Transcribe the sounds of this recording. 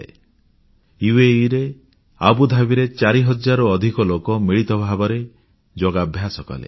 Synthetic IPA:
ḛ | juweiɾe | a̰bud̪ʱabiɾet͡ʃaɾiɦɔd͡ʒaɾɔːd̪ʱikɔlokɔmiɭit̪ɔbʱabɔɾe | d͡ʒoɡabʱjasɔkɔ̰lḛ

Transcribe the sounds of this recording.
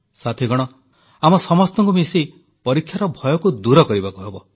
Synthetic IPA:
sat̪ʰiɡʱɔɽ̃ɔ | amɔsɔmɔst̪ɔŋkumisi | pɔɾikʰːjaɾɔbʱɔjɔkud̪uɾɔkɔɾibakuɦebɔ

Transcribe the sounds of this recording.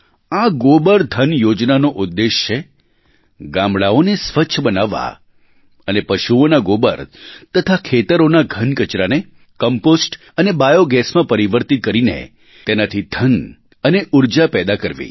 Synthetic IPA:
aɡobəɾd̪ʱənjod͡ʒnanoʔʊd̪ːeʃt͡ʃʰe | ɡãmɭaonesʋəːt͡ʃʰəbənaʋːa̰ | ənepəʃuonaɡobə̰ɾt̪ət̪ʰakʰet̪əɾonaɡʱənkət͡ʃɾane | kəmposʈ | ənebajoɡɛsmãpəɾiʋəɾt̪it̪̚kəɾinḛ | t̪enat̪ʰid̪ʱən | əneʔuɾd͡ʒapɛd̪akəɾʋḭ

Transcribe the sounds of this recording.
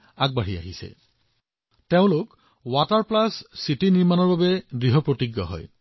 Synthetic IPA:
aɡ̚baɦia̰ɦisɛ̰ | teʊ̃lʊk | wataɹplasːitiniɹmanɔɹbabɛɡɹiɦɔpɹotiɡːɔ̰ɦɔ̰j

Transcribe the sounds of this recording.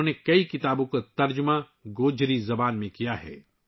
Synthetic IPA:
õnekɐikɪt̪aːbõkot̪ɐɾd͡ʒmã | ɡoːd͡ʒɾizɐbaːnmẽkijaɦɛ̰ː

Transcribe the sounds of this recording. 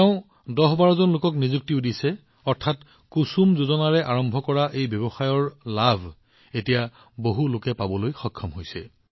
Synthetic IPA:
ɛʊ̃ | dɔɦbaɹɔzɔnlokɔknizuk̚tiʊdisɛ | ɔɹtʰat | kusumzozɔnaɹɛʔaɹɔmbʱɔkɔɹaʔejbjɔbɔxajɔɹlabʱ | etija | boɦulokɛpabɔlojxɔkʰːɔmɦojsɛ

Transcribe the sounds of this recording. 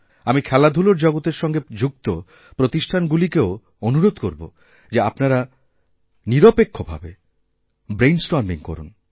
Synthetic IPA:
amikʰɛlad̪ʱuloɾd͡ʑɔɡot̪eɾʃɔŋɡed͡ʑuɡ̚t̪o | pɾot̪iʃʈʰanɡulikeo | onuɾod̪koɾbo̰ | d͡ʑeapnaɾa | niɾopekʰːobʱa̰be | bɾejnsʈoɾmiŋko̰ɾṵn

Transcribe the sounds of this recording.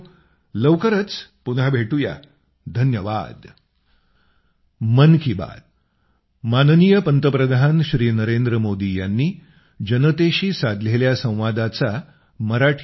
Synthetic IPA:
ləwkəɾət͡spunɦabʱeʈuja̰ | d̪ʱənjəʋa̰d̪ | mənkʰiba̰d̪̚ | mannijəpənt̪əpɾəd̪ʱanɕɾiːnəɾend̪ɾəmod̪ijanːiː | d͡ʑənət̪eɕiːsad̪ʱleljasə̃w̃ʋad̪at͡sa | məɾaʈʰ

